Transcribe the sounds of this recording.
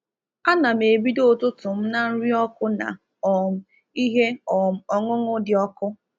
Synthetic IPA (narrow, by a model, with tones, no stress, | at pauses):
a˦na˨m̩e˨bi˦do˦˨tʊ˦tʊ˨m̩˦na˦n̩˦ɾi˦ɔ˦kʊ˦na̰˨ | ɔ˨m̩˦ | i˦ɦe˦ɔ˨m̩˨ɔ˨ŋʊ˦ŋʊ˦dɪ˨ɔ˦kʊ˦